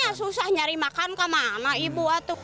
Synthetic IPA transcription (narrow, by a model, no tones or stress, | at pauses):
asusahɲaɾimakankamanaibuat̪u